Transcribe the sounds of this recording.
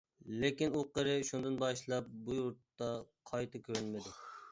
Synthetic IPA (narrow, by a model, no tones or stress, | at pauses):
lekʲinuqəɾɪʃund̪ɨnbɑʃlˠɑp̚bujuɾt̪ːɑqʰɑjt̪ʰɨkʲʰøɾynmɪd̪ɪ